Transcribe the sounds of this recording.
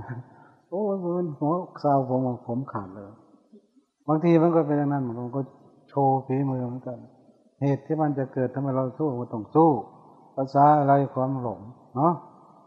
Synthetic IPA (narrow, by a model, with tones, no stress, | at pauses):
ʔoː˧˩˧ma˧˥˨nhɔ˧˦kʰaː˧˨wpʰo˨˦ma˧pʰo˨˦mkʰaː˨˩n̚lɤː˧˩j | baː˧ŋt̪ʰiː˧ma˧˥˨nkɔː˧˩p̬e˧nja˧ŋna˧˥˨nma˧˨m˧˨kɔː˧˩ | t͡ɕʰoː˧pʰiː˨˦mɯː˧ma˧˦˥nka˧˩n | heː˨˩t̪ʰːiː˧˨ma˧˨nt͡ɕa˨˩kɤː˨˩t̪ʰːa˧ma˧˩jɾa˧wsuː˧˩˨a˧˦ka˧˩t̪ɔ˧˩ŋsuː˥˩ | pa˧˩saː˧˦˧la˧˩jkʰwaː˧˨mlo˨˩˦m | nɔ˧˦˥ʔ